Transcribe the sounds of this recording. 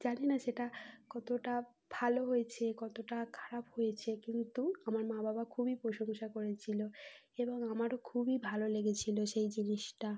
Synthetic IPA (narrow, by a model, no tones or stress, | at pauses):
d͡ʑanenaʃeʈakɔt̪oʈa | b̥ʱaloɦojet͡ɕʰekɔt̪oʈakʰḁɾaphojet͡ɕʰekint̪uamaɾmababakʰubipɾoʃoŋʃakoɾet͡ɕʰilo | eboŋamaɾokʰubibʱaloleɡet͡ɕʰiloʃejd͡ʑiniʃʈa